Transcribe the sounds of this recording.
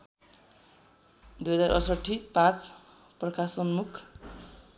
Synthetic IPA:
d̪ujɦʌd͡zaɾʔʌ̰sʌʈʰːipãt͡sʰ | prʌkasʌnmukʰ

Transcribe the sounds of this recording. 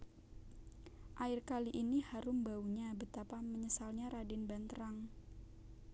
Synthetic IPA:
ʔaɪrkaliʔinihaɾʊmbauɲabət̪apaməɲəsalɲaɾʔadɪnbant̪əɾaŋ

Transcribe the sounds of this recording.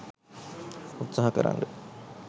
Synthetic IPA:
ut̪saɦakəɾa̰ŋɡə

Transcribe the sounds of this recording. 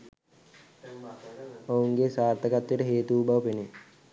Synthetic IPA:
ouŋɡesaːrt̪ʰəkat̪ːjeʈəɦeːt̪uːbɐʋəpene

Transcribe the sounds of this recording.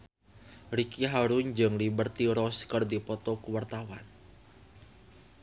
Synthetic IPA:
ɾikiɦaɾuɲd͡ʒəŋlibərt̪iɾɔskərdipɔt̪ɔkuwart̪awan

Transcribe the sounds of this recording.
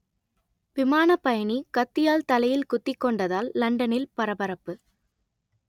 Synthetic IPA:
ʋɪmaːnɐpːɐjɐnikɐt̪ːɪjaːlt̪ɐlɐjɪlkʊt̪ːɪkːɔɳɖɐðaːlːɐɳɖɐnɪlpɐɾɐbɐɾɐpːɯ

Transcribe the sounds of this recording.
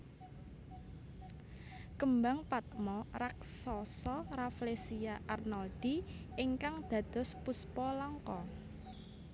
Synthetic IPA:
kəmbaŋpat̪̚mɔrak̚sɔsɔraflesiaʔarnɔld̪̥iɪŋkaŋd̪̥ä̤d̪̥ɔ̤spuspɔlaŋkɔ

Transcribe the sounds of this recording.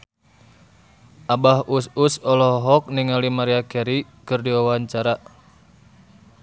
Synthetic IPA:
ʔabahususɔlɔɦɔk̚niŋalimaɾiakɛɾikɨrdiwawaɲt͡ʃaɾa

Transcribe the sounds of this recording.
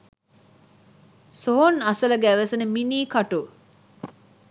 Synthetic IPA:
soɦonɐsɐlɐɡːʋeseneminiːkɐʈu

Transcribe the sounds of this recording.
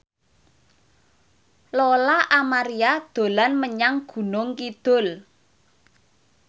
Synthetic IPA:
lɔlaʔamaɾiad̪̥o̤lanməɲaŋɡ̥ṳnʊŋkid̪̥ʊ̤l

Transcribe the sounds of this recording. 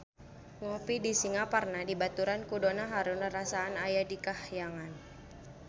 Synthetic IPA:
ŋɔpidisiŋaparnadibat̪uɾankudonaɦaɾʊnəɾasaːnajadikahjaŋan

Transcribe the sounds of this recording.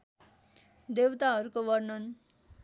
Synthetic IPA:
d̪ewt̪aɦʌɾukobʌrnʌn

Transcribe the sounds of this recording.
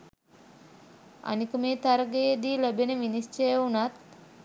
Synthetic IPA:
a̰nikəmeːt̪aɾəɡejed̪iːløbeneʋinist͡ʃejunat̪

